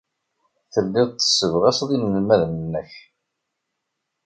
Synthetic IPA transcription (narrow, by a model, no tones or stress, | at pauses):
θəlːɪðˤt̪ːə̥sːəvʁæsðˤinəlmæðmənːəç